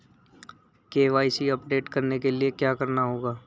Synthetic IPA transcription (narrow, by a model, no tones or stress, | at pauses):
keːʋaːisiɐpɖeːʈkɐɾnekeliekjaːkɐɾnaɦoːɡaː